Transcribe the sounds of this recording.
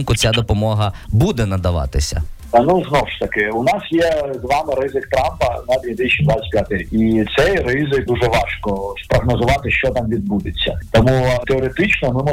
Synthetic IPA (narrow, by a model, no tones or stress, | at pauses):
nkʊt͡sʲad̪ɔpɔmɔɦɐbud̪ɛnɐd̪ɐʋɑ̰t̪ɪsʲɐ̰ | nuznɔwʃt̪ɐkɪunɑsjɛzʋɑmɪɾɪzɪkt̪ɾɑmpɐnɐd̪ʲʋʲid̪ɪʃid̪ʋasʲpʲjat̪ɪit̪sɛjrɪizɪjd̪uʒɛʋɑʃkɔspɾɔɦnɔzʊʋɑt̪ɪʃt͡ʃɔt̪ɑmʋʲid̪̚bud̪ɪt͡sʲːɐ̰t̪ɔmut̪eɔɾet̪ɪt͡ʃnɔmɪmɔ